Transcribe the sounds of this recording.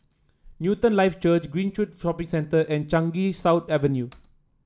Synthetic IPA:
njutə̃nlaɪft͡ʃət͡ʃɡɹĩnʃutfɔpĩŋsɛ̃ntəʔɛ̃nt͡ʃãŋɡisawt̪ɛvənju

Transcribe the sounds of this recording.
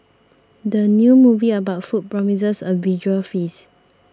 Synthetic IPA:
dənjumuviəbaʊtfut̚pɹɔmis̬əsəvid͡ʒuəlfis

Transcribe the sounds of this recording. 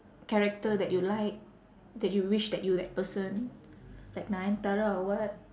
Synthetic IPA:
kɛɹɛk̚tədɛt̚julaɪk̚ | dɛt̚juwiʃdɛt̚judɛt̚pəsə̃n | laɪk̚naɛ̃ntaɹaɔwɔt̚

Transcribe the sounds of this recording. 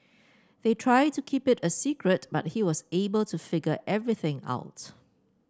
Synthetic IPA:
ðetʰɹaɪd̚tukʰipɪtəsikʰɹət̚ba̰t̚hiwɔsebəltʰufɪɡəʔɛvɹiθɪ̃ŋa̰ʊt

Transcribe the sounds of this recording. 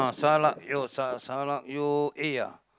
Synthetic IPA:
ãsalaʔjosasalaʔjoʔeja̰

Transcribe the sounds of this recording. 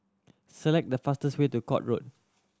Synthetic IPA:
səlɛk̚dəfastəswetukɔ̰t̚ɹo̰t̚

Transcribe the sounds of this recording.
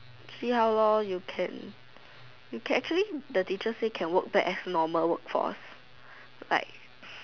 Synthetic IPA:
sihawlɔ̃jukʰɛ̰̃n | jukʰɛ̃nɛk̚t͡ʃuəlidətit͡ʃəsekʰɛ̃nwək̚bɛʔɛsnɔməlwək̚fɔ̰s | la̰ɪk̚

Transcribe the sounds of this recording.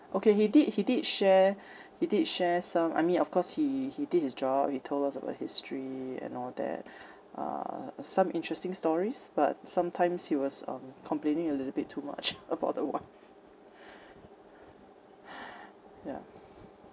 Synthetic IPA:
ʔokʰehidid̚hididʃɛ | hididʃɛsãma̰ɪmĩnɔfkʰɔshihidid̚hisd͡ʒɔb̥̚hitʰoldasəba̰ʊt̚histʰɹiɛ̰̃nɔld̪ɛ̰t̚ | ʔʌ̰sãmʔɪ̃ntɹ̥ɛstɪ̃ŋstɔɹisb̥a̰t̚sãmtʰãɪ̃mshiwɔsʌ̰̃mkʰɔ̃mplẽnɪ̃ŋəlɪtl̩bɪtʰːuma̰t͡ʃʔəba̰ʊt̚dəwã̰ns | ja̰

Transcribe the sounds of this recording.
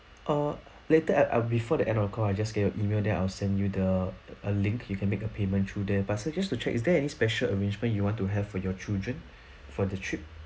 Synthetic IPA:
ʔa | letəaʔbifɔdəʔɛ̃ndɔfəkʰɔajd͡ʒasɡɛt̚jɔʔimeldɛʔa̰ɪwlsɛ̃ndjudəəlĩŋkʰjukʰɛ̃nmekəpʰemə̃ntʰɹudɛbatsod͡ʒastut͡ʃʰɛkisdɛɛnispɛʃələɹẽnd͡ʒmə̃njuwɔ̃ntuɦɛv̥fɔjɔt͡ʃildɹə̃n | fɔdətʰɹip̚

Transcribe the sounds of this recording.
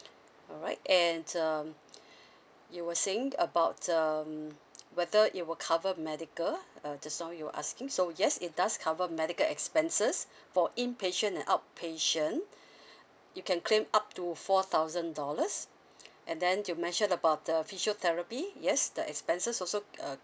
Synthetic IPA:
ɔɹaɪtɛ̃ndʌm | juwəsẽŋəbaʊtəmwɛðəʔit̚wəlkʰavəmɛdikəlʌd͡ʒasnaʊjuə̰ʔa̰skɪ̃ŋsojɛsit̚daskʰavəmɛdikəlɛkspɛ̃nsəs | fɔʔĩnpʰeʃə̃nɛ̃nʔaʊt̚pʰeʃə̃n | jukɛ̃nkʰlẽmap̚tufɔt̪ʰaʊzə̃ndɔləs | ʔɛ̃ndɛ̃njumɛ̃nʃə̃nəbaʊt̚əfiʃət̪ʰɛɹəpijɛsdəʔɛ̰kspɛ̃nsəsɔlsoʌ

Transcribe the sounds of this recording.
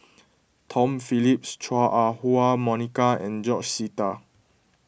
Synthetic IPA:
tʰɔ̃mfilip̚st͡ʃʰaʔahuamɔnikaɛ̰̃nd͡ʒɔt͡ʃsita

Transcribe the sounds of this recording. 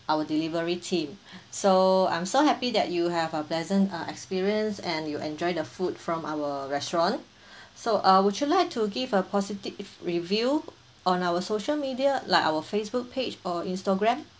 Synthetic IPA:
ʔawədilivəɹitʰĩmsoã̰j̃msohɛpidɛ̰t̚juɦɛvəplɛzə̃ntʌɛ̰kspiɹiə̃nsɛ̃njuʔɛ̰̃nd͡ʒɔɪdəfudfɹɔ̃mʔawəɹɛstɹɔ̃n | soʔawudd͡ʒjulaɪk̚tʰuɡivəpʰɔsitivɹivju | ʔɔ̃nawəsoʃəlmidialaɪkawəfesbuk̚pʰed͡ʒɔĩnstəɡɹɛ̃m

